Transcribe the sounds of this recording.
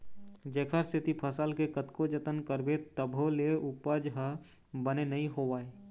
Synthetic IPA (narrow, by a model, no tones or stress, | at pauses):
d͡ʒeːkʰəɾst̪ʰɪt̪ipʰəsəlkekət̪kod͡ʒət̪ənkəɾbet̪əbʱoleʊpəd͡ʒɦəbənenɐɦĩɦoʋaːe